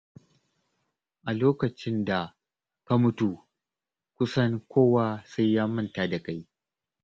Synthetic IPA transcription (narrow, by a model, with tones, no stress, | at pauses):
ʔa˨loː˦kɐ˨t͡ʃɪ˦nda˨ | ka˦mʊ˦tu˨ | kʷʊ˦sɐ˦ŋkʷʰoː˦wa˦sa˦jːaː˦mɐ˦nta˦da˨ka˦j